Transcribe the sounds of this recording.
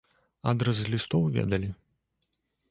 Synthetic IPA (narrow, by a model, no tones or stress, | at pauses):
a̰d̪ɾɐzzlʲist̪ɔwvʲɛ̰d̪ɐlʲi